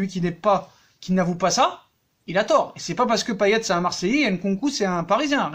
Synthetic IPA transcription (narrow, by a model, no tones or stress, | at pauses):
ɥikʲinɛpa | kʲinavupasa | ilat̪ɔːʁesɛpapaʁsə̥kəpajɛt̪sɛɛ̃maʁsɛjenkɔ̃kusɛɛ̃paʁizjɛ̃